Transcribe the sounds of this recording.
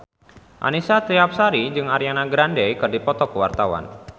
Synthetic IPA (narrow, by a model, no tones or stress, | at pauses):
ʔa̰nisat̪ɾiap̚saɾid͡ʒɨŋaɾjanaɡɾandɛjkɨrdipɔt̪ɔkəwart̪awa̰n